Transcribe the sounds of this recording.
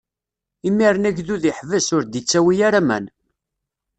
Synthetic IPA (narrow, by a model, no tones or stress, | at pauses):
imːiɾnæʝðuðiħvəsʊɾd̪it͡sːæwijaɾamæ̰n